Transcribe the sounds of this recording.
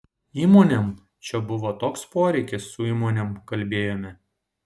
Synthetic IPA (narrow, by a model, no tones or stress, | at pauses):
iːmoːnʲɛm | t͡ʃʲɛbʊʋoːt̪oːkspoːɾʲɛɪkʲɪsːʊiːmoːnʲɛmkɐlʲbʲeːjoːmʲɪ